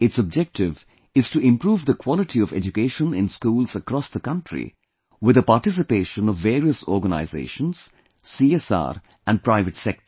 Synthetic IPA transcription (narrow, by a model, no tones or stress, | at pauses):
ɪtsɔb̚d͡ʒɛk̚ʈɪv | ɪz̥tuɪ̃mpɾuːvd̪əkʰw̥ɔlɪʈʰiɔvɛ̰d͡ʒukeʃə̃nɪ̃nskuːlzəkɾɔsd̪əkʌ̃nʈʰɾḭ | wɪd̪əpaɾʈɪs̬ɪpeːʃə̃nɔvːeːɾiəsɔːɾɡəna̰ɪzḛːʃə̃nz̥ | siːɛsa̰ːɾ | ʔæ̃nɖ̚pɾaɪvɨʈsɛk̚tə